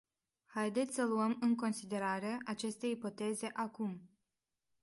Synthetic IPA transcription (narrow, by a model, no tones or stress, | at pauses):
hajd̪e̞t̪sʲsəluəmɨŋko̞nsid̪e̞ɾaɾeaʔat͡ʃe̞st̪e̞jipo̞t̪e̞ze̞ʔakum